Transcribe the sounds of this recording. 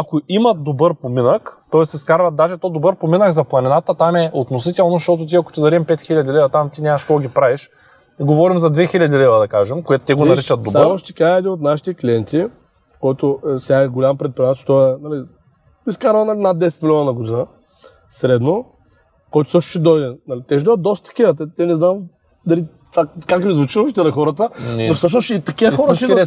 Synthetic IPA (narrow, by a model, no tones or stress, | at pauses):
akoʔimɐt̪̚d̪obɤɾpominəkt̪ɔɛsiskaɾvɐt̪̚d̪aʒɛt̪ɔd̪obɤɾpominəɡzɐplˠɐnʲinat̪ət̪amɛʔot̪nosit̪ɛlˠnoʃt̪ɔt̪̬ʊt̪̬ʲiɐko̥t̪id̪ɐɾiɛmpɛt̪xilʲɐd̪ilɛvɐt̪amt̪inʲamɐʃkɔɡʲipɾaviʃ | iɡovɔɾimzɐd̪vɛxilʲɐd̪ilɛvɐd̪ɐkaʒɛmkoɛt̪ʊ̥t̪ɛɡonɐɾɛt͡ʃɐt̪̚d̪ob̪aamɐʃt̪ikaɛːd̪inot̪naʃi̥t̪ɛklʲiɛnt̪ʲi | kɔjt̪oʊsʲaɛɡolʲampɾɛt̪̚pɾiat̪ɛʃt̪ɔɛnɐli | iskaɾvənɐlʲnad̪̚d̪ɛsɛt̪milʲɔnənɐɡod̪inə | sɾɛd̪no | kɔjt̪ʊsɤʃt̪ʊ̥ʃɛd̪ɔjd̪ɛnɐlit̪ɛʒid̪vɐt̪̚d̪ɔst̪ə̥t̪ɐ̥kiət̪ɛt̪ɛnɛznam | d̪ɐli | t̪fakakmizvʊt͡ʃilˠəfit̪ɛnɐxɔɾət̪ənofsɤʃ̬nosit̪ɐkiəxɔɾʃiɾɛ